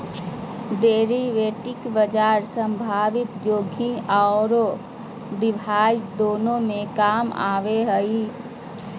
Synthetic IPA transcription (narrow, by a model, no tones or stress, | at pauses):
ɖeːɾiʋeːʈɪkbəd͡ʒaːɾsə̃mbʱaːʋɪt̪joːɡʱĩaɾo | ɖɪbʱaːjd͡ʒd̪oːnõmẽkaːma̰ːʋeɦəi